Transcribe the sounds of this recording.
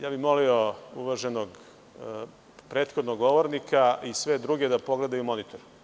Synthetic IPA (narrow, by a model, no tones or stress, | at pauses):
jaːbixmo̞liouʋaʒenoɡ | pɾeːt̪xod̪noɡːo̞ʋoɾnikaisʋed̪ɾuɡʲed̪apo̞ɡle̞d̪ajumo̞nit̪oɾ